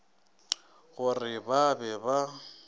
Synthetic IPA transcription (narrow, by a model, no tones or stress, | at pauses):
ɣʊrɪbabɛba